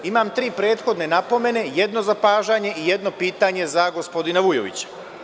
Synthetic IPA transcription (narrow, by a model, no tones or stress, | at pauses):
imamt̪ɾiːpɾe̞ːt̪xo̞d̪ne̞napo̞me̞ne̞jed̪no̞zapaːʒaɲe̞ʔijed̪no̞piːt̪aɲe̞zaɡo̞spo̞d̪inaʋujo̰ʋḭt͡ɕḁ